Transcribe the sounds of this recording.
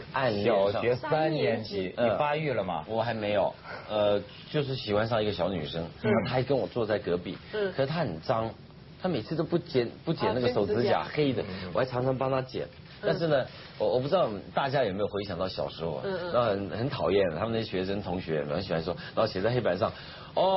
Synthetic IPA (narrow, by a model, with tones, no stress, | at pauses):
ʔa˥˧n˨˧˩ɑ˥˧ɛ˧˥sa˥nnjɛ˧˥nt͡ɕʰi˧˥˦əi˨˧˩pa˥ɥɛ˥˩lə˩mɐ̰˩wɔ˨˩xa˧˥ɪme˧˥ɪjo˨˩ʊə˧ | t͡ɕjo˥˧ʊʂ̬ɻ̩˥˩ɕi˨˩xwa˧˥nʂ̬ɑ˥˧ŋi˧˥ɡə˧ɕjɑ˧˥ʊny˨˩ʂɤ˥ŋ˥˧˥t̪ʰa˥˧kə˥nwɔ˨˩t͡swɔ˥˧t͡sa˥˩ɪkɤ˧˥pḭ˥˩˦kkʰə˨˩ʂɻ̩˥˩t̪ʰa˥xə˨˩nʈ͡ʂɑ˥ŋ | t̪ʰa˥me˨˩ɪt͡sʰɹ̩˥˧t̪o˥ʊpu˥˩t͡ɕjɛ˧˥npu˥˩t͡ɕjɛ̰˨˩na˥˩ɡə˧˩ʂo˨˩ʊɹ̩˧˥t͡ɕja̰˨˩xe˥ɪd̪ə˨wɔ˨˩xʈ͡ʂʰɑ˧˥ŋʈ͡ʂʰɑ˧˥ŋpɑ˥ŋt̪ʰa˥t͡ɕjɛ̰˨˩˦n | t̪a˥˧nʂ̬ɻ̩˥˩nə˨ | wɔ˧˩wɔ˨˩pu˥˩ʈ͡ʂɻ̩˥d̪ɑ˥˨˩ʊt̪a˥˩t͡ɕja˥jme˧˥jwe˥ɕjɑ˨ŋt̪ɑ˥˩ʊɕjɑ̰˨˩ʊʂɻ̩˧˥xo̰˥˩n˧˥o˥˩xə˧˩˥nxə˧˥nt̪ʰɑ˨˩ʊjɛ˥˩nə˩˥mə˨na˥˩˥ɕɥɛ˧˥ʂə˥nt̪ʰʊ˧˥ŋɕɥɛ˧˥˧ɕi˨˩wa˧˥nʂɔ˥na˨˧˥ɕɛ˨˩t͡sa˥˧ɪxe˥ɪpa˧˥nʂ̬ɑ˥˩ŋ | ɔ˥˧˩